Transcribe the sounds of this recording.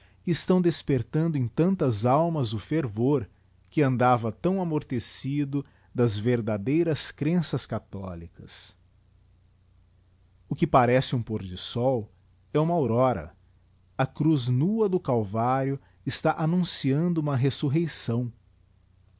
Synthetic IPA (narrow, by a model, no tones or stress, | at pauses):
kɪːst̪ɐ̃w̃d̪espeɾt̪ɐ̃nd̪ʊẽt̪ɐ̃nt̪ɐzawmɐzʊfeɾvoɾ | kɪɐ̃nd̪avɐt̪ɐ̃w̃amoɾt̪esid̪ʊ | d̪ɐzveɾd̪ad̪ejɾɐskɾẽsɐskat̪ɔlikɐs | ʊkɪpaɾɛsɪũpoɾd͡ʒɪsɔw | ɛũmɐawɾɔɾɐ̰ | ɐkɾuznuɐd̪ʊkawvaɾjʊ | ɪst̪aʔanũsiɐ̃nd̪ʊũmɐɦesuɦejsɐ̃w̃